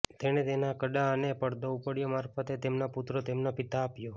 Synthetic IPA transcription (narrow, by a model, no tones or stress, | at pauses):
t̪eñet̪enakəɖaənepəɽd̪oupəɽjomaɾfət̪et̪emnaput̪ɾot̪emnapit̪aːpjo